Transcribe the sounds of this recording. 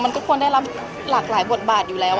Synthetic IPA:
ma˧nkɔː˥˩kʰu˧əndaː˥˩jla˦˥p̚ | laː˨˩k̚laː˩˦jbo˨˩t̪̚baː˨˩t̪̚juː˨˩lɛː˦˥w

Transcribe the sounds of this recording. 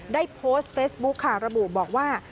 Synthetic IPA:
daː˥˩jpʰoː˦˥st̪̚feː˦˥sbu˦˥kʰːaː˨˩wɾa˧bu˨˩bɔː˨˩k̚waː˥˩

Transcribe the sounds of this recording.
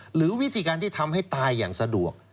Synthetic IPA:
ɾɯː˩˦wi˦˥t̪ʰiː˧kaː˧nt̪ʰiː˥˩t̪ʰa˧mha˥˩jt̪aː˧jːa̰ː˨˩ŋsa˧du˨˩ək̚

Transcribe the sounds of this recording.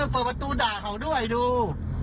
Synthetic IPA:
pɤː˨˩pa˧t̪uː˧daː˨˩kʰa˨˩wdu˥˩əjduː˧

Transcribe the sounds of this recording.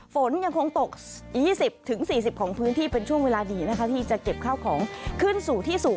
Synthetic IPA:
fo˩˦nja˧ŋkʰo˧ŋt̪o˨˩k̚jiː˥˩si˨˩p̚t̪ʰɯ˩˦ŋsiː˨˩s̬i˨˩p̚kʰɔː˩˦ŋpʰɯː˦˥nt̪ʰiː˥˩pe˧nt͡ɕʰu˥˩əŋweː˧laː˧diː˧na˦˥kʰa˦˥˩t̪ʰiː˥˩t͡ɕa˨˩ke˨˩p̚kʰa˥˩wkʰɔː˩˦ŋkʰɯ˥˩nsuː˨˩t̪ʰiː˥˩su˨˩

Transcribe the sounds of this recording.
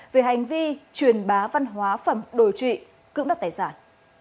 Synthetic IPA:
ve˨˩ɦa˨˩jŋ̟vi˧t͡ɕwi˨˩ənɓaː˨˦va˧nɦwaː˨˦fə˧˩mɗo˧˩jt͡ɕwḭ˧˨ | kɨ̰˧˥ŋ͡mɗə˨˩t̪aː˧˨˩jsaː˧˩n

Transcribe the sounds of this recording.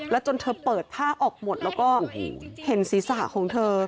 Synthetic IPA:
lɛ˦˥wt͡ɕo˧nt̪ʰɤː˧pɤː˨˩t̪ʰːaː˥˩ʔɔː˨˩k̚mo˨˩t̪̚lɛː˦˥wkɔː˥˩hṵ˨˩he˨˦nsiː˨˩˦sa˨˩kʰɔː˨˦ŋt̪ʰɤː˧

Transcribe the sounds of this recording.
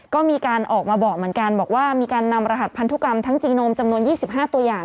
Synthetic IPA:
kɔː˥˩miː˧kaː˧nʔɔː˨˩k̚maː˧bɔː˨˩k̚mɯ˩˦ənka˧nbɔː˨˩k̚waː˥˩miː˧kaː˧nːa˧mɾa˧ɦa˨˩t̪̚pʰa˧nt̪u˦˥ka˧mt̪ʰa˦˥ŋt͡ɕiː˧noː˧mt͡ɕa˧mnu˧ənjiː˥˩si˨˩p̚ɦaː˥˩t̪u˧ɐjaː˨˩ŋ

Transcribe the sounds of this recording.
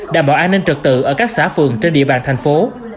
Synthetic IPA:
ɗaː˧˩mɓɔ̰˧˩ʔaː˧nːï˧ŋ̟t͡ɕɨ˨˩k̚t̪ɨ̰˧˨ʔəː˧˩kaː˦˥k̚saː˧˩fɨ˨˩əŋt͡ɕe˧nɗḭ˧˨əɓaː˧˨nt̪ʰjŋ̟fo˨˦

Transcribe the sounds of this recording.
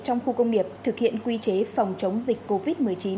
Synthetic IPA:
t͡ɕɔ˧wŋ͡mxu˧kə˧wŋ͡mŋi˨˩əp̚t̪ʰɨ˨˩k̚hḭ˧˨ənkwi˧t͡ɕe˨˦fa˨˩wŋ͡mt͡ɕə˨˦wŋ͡mzï˨˩k̟kːo˧vi˦˥t̚mɨ˨˩əjt͡ɕi˨˦n

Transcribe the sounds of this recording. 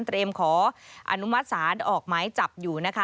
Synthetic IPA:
nt̪ɾeː˧mkʰɔː˩˦ʔa̰˧nu˦˥ma˦˥t̪̚saː˩˦nʔɔː˨˩k̚maː˦˥jt͡ɕa˨˩p̚juː˨˩na˦˥kʰa˦˥

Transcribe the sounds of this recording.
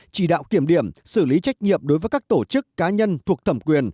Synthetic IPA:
t͡ɕi˧˩ɗa̰ː˧˨wki˧˩əmɗi˧˩əmsɨ˧˩li˨˦t͡ɕa˦˥k̟̚ɲḭ˧˨əmɗo˨˦jvəː˨˦kaː˦˥k̚t̪o˧˩t͡ɕɨ˦˥kːaː˨˦ɲə˧nt̪ʰu˨˩ək̚t̪ʰə˧˩mŋ͡mkwi˨˩ən

